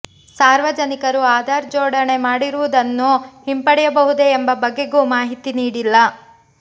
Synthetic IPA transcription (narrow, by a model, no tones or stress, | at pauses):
saːɾʋɐd͡ʒɐnikɐɾuaːd̪ʱaːɾd͡ʒɔːɽɐɳe̞maːɽiɾuʋud̪ɐnːuɦimpɐɽɛjɐbɐɦud̪e̞ːmbɐbɐɡːe̞ɡumaːɦit̪iniːɽilːɐ